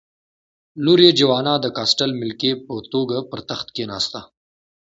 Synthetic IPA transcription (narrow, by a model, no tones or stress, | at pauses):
luɾed͡ʒawɑːnɑd̪əkɑsʈalmɪlkepət̪oɡapəɾt̪axt̪kenɑ̰ːst̪a